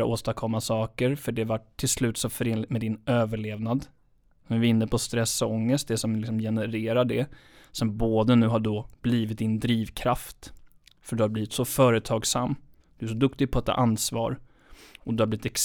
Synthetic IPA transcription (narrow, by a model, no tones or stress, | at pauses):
aʔo̰ːst̪akʰɔmːasɑːkəɾfœɖɛvaʈʰːɪlslʉ̟ːt̪sɔmfœɾeːnlɪt̪mɛd̪ɪnøːvəɭeːvnad̪ | ɛmvɪɪnːəpʰɔst̪ɾɛsɔŋːəst̪̚d̪ɛsɔmlɪksɔmjɛnəɾeːɾaɖɛ | sɔmboːd̪ənʉ̟ːɦaɖɔb̥liːvɪt̪̚d̪ɪnd̪ɾiːvkʰɾaft̪ | fœɖɵhaɾbliːvɪt̪sɔfœːɾət̪ʰɑːɡsamː | d̪̥ɵæʂɔd̪ɵkt̪ɪɡ̚pʰɔɛt̪ʰːa̰ʔansvɑ̰ːɾ | ɔd̪ɵhabliːvɪt̪ɛks